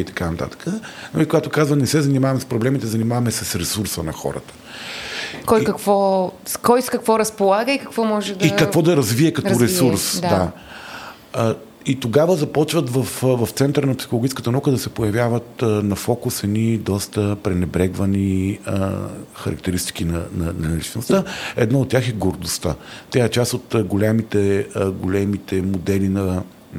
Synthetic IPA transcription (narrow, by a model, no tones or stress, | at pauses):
it̪ɐ̥kanɐt̪a̰t̪ə̥kənɐ̰likoɡat̪okazvənɛsɛzɐnimavɐmɛspɾoblɛmit̪ɛzɐnimavɐmɛsɛsɾɛsuɾsənɐxɔ̰ɾə̰t̪ə̥ | kɔjkɐkvɔskɔjskɐkvɔɾɐspolˠaɡəikɐkvɔmɔʒɛd̪ikɐvɔd̪ɐɾɐzviɛkɐt̪ɔɾɛsuɾsd̪d̪a | it̪oɡavəzɐpɔt͡ʃvət̪vəfvɐft̪sɛnt̪əɾənɐpsixolˠoɡit͡ʃ̪kət̪ənukəd̪ɐsɛpojɐvʲjavət̪nɐfɔkusɛnid̪ɔst̪əpɾɛnɛbɾɛɡvɐnḭ | xɐɾɐ̰k̚t̪ɛɾist̪i̥kinɐnɐnɐlit͡ʃnost̪əɛd̪naot̪̚ːʲjaxɛɡoɾd̪ʊst̪at̪ʲaɛt͡ʃast̪ot̪ɡolʲɛmit̪ɛɡolʲɛmit̪ɛmod̪ɛlinɐ